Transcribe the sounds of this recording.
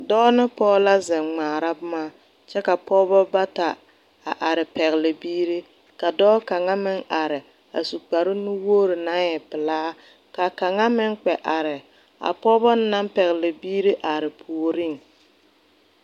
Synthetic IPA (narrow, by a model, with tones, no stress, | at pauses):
dɔː˦nɪ˦pɔː˦la˦zɪ˨ŋ͡maː˨ɾa˦bʊ˦ma˦ | t͡ʃɛ˦ka˨pɔː˦bɔ˦ba˦ta˨ | a̰˨ʔa˨ɾɪ˨pɛ˨ɣlɪ˨biː˦ɾe˦ | ka˨dɔː˦ka˨ŋa˦mɪ˦ŋa˨ɾɪ˨ | a̰˨su˨k͡pa˨ɾɪ˦nʊ˦woː˦ɾɪ˨na˦ŋjɛ˨pɪ˨laː˦ | ka˨ka˨ŋa˦mɪ˦ŋk͡pɛ˨ʔa˨ɾɪ˨ | a̰˨pɔ˦bɔ˦n˦na˦mpɛ˨ɣɪ˨lɪ˨biː˦ɾi˦ʔa˨ɾɪ˨pʰuː˨ɾi˦˨ŋ